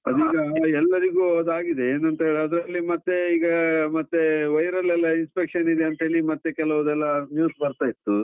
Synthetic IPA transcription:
ɐd̪iːɡɐɛlːɐɾiɡuːɐd̪aːɡid̪eeːnɐnt̪ɐɦeɭiɐd̪ɾɐlːimɐt̪ːeiːɡɐmɐt̪ːeʋɐjɾɐlɛlːɐinspekʂɐnid̪eɐnt̪ɐɦe̞ːɭimɐt̪ːekɛlɐʋɐd̪ɛlːɐmjuːsbɐɾt̪aːjit̪ːu

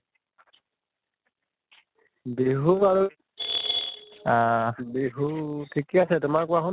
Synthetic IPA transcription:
beɦuaɹu | abeɦutʰikɛasɛtʊmaɹkʊakʊ

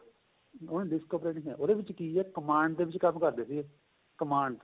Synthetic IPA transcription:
onːɖɪskoːpɾeːʈĩɦɛːʔoːd̪eːʋɪt͡ʃkiːɛːkəmaːɳɖd̪eːʋɪt͡ʃkəmkəɾd̪eːsi | kəmaːɳɖ̪

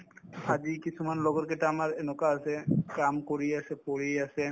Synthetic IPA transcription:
ad͡ʒikisʰumanlɔɡɔɹkɛʈaːmaɹɛnɔkaːsɛkamkɔɹiasɛpɔɹiasɛ

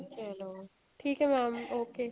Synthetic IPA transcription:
t͡ʃaɦɛloː | ʈʰiːkɦɛmaːmoːke

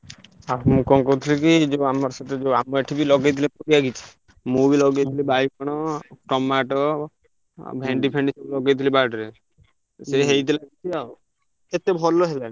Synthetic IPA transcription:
amũkɔŋkout̪ʰilikid͡ʒeamɔɾsat̪ed͡ʒewamɔeʈʰibilɔɡejt̪̬ʰilepɔɾiaɡit͡ʃʰi̥ | mubilɔɡejt̪ʰilibajkɔɽ̃ɔʈɔmaʈɔ | bʱeɳɖipʰeɳɖisɔlɔɡejt̪ʰilibaɖɾe | seɦejt̪ilaɡit͡ʃʰiaw | et̪ebʱɔloɦelan

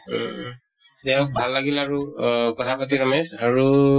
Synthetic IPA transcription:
tɛʊ̃k̚bʱalːaɡilaɹukɔtʰapat̬iɹɔmɛsaɹu

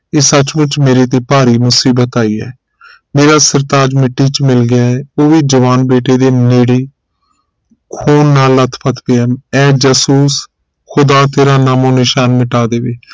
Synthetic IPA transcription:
eːsət͡ʃmʊt͡ʃmeːɾeːt̪eːpaːɾiːmʊsiːbət̪aːiːɛ̰ː | meːɾaːsəɾt̪aːd͡ʒmɪʈːiːt͡ʃmɪlɡɪjaːɛːoːʋiːd͡ʒəʋaːnbeːʈeːd̪eːneːɽeː | kʰuːnːaːlət̪ʰpʰət̪peɛːmɛːd͡ʒəsuːs | kʰʊd̪aːt̪eːɾaːnaːmõːnɪʃaːnmɪʈaːd̪eːʋeː

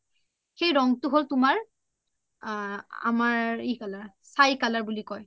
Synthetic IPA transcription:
xejɹɔŋtʊɦoltʊmaɹ | a̰maɹikalaɹ | sajkalaɹbulikɔj

